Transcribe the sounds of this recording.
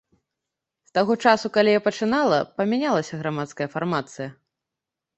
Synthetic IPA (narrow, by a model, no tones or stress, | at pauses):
st̪aɣɔt͡ʂasukalʲijapɐt͡ʂɨnalˠɐpɐmʲanʲalˠɐsʲɐɣɾamat̪skɐjɐfarmat̪sɨjɐ